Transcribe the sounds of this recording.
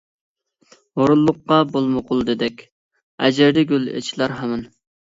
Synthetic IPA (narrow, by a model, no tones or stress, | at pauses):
oɾulˠːʊqːɑbolˠmoqʰʊlˠd̪ɨd̪ɛkʲ | æ̰d͡ʒæɾd̪ɛɡʲylḛt͡ʃʰilˠɑɾɦɑmɪn